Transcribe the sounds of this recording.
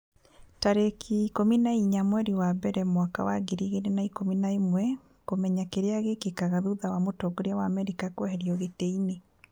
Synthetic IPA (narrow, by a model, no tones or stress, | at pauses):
taɾekʰikominaiɲamwɛɾiwabɛɾɛmwaka̰wa̰ɡeɾiɣenenaikominaemwɛ | komɛɲakeɾeaɣekekaɣaðuðawamotɔɡoɾeawaːmɛɾikakohɛɾjɔɣeteine